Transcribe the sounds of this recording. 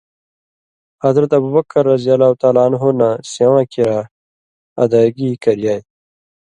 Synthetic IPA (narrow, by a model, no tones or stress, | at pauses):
hɐzɾɐt̪ɐbubɐkːɐɾːɐzijalaːut̪aːlaːnɦonasawãːkiɾa | ɐ̰d̪aːɡikɐɾjaːj